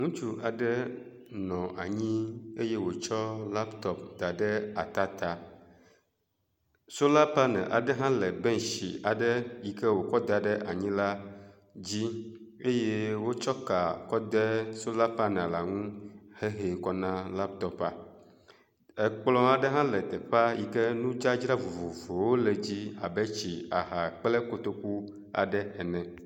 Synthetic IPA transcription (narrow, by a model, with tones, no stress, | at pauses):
ŋũ˦t͡ʃu˦ʔa˨ɖɛ˦ | nɔ̃˨ʔa˨ɲĩ˦e˦je˦wo˨t͡ʃɔ˦la˦pt̪ɔ˨p̚d̪a˨ɖɛ˦a˨t̪a˦t̪a˨ | so˦la˦pa˦nɛ̰̃˨ʔa˨ɖə˦ɦã˦lɛ˨be˦ŋ˨ʃḭ˨a˨ɖə˦ji˨kɛ˦wo˨kɔ˦d̪a˨ɖə˦ʔa˨ɲĩ˦la˦ | d͡ʑi˦e˦je˦wo˦t͡ʃɔ˦ka˨kɔ˦d̪ɛ˦so˦la˦pa˦nã˨la˨ŋũ˦he˦ɦe˨kɔ˦nã˦la˦b̚t̪ɔ˦pa̰˨ | ɛ˨k͡plɔ̃˦a˨ɖɛ˦ɦã˦lɛ˨t̪ɛ˨ɸa˦ji˨kɛ˦nũ˦d͡ʒa˦d͡ʒɾa˦vo˨vo˨vo˨wo˦lɛ˨d͡ʑi˦a̰˨bɛ˦t͡ɕi˨a̰˨ɦa˨k͡plɛ˦ko˨t̪o˦ku˦ | a̰˨ɖɛ˦ɛ˨nɛ̃˨